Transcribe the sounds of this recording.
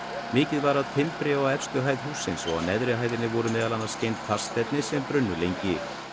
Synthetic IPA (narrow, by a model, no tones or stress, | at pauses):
mɪːcɪðvaɾaðt̪ʰɪmpɾɪɔɣɛfst̪ʏɦajð̥huːsːɪnsɔa̰ðnɛðɾɪɦaːjðɪnɪvɔɾʏmɛːðalanːḁscejnt̪θʰḁst̪ɛt̪nɪsɛmpɾʏnːʏlejɲcɪ